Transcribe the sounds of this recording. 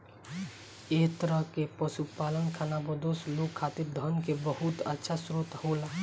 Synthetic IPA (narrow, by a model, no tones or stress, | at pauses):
et̪əɾəɦkepəsupalənkʰanabəd̪oslokʰːat̪iɾd̪ʱənkebəɦut̪ə̰tːʃʰasɾot̪hola